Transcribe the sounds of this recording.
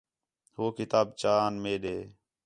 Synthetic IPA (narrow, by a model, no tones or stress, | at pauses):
hoːkɪt̪aːb̚t͡ʃaːnmeːɗeː